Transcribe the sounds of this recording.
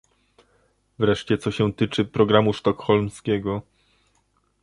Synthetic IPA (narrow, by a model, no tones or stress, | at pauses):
vɾɛʂt͡ɕɛt̪sɔɕɛ̃t̪ɘt͡ʂɘpɾɔɡɾamuʂt̪ɔkxɔlmskʲɛɡɔ